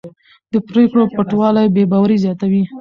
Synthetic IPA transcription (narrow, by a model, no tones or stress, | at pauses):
d̪əpɾekɽopaʈwɑlajbebɑwaɾizjɑt̪awi